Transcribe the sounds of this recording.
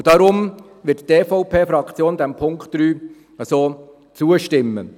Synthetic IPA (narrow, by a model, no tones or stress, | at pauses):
d̥ɑɾʊm | ʋɪtteːfɔʊpʰeːfɾɑkt͡sjoːnd̪ɛmpʰʊŋktɾyː | əsoː | t͡suːəʃtɪmːə̰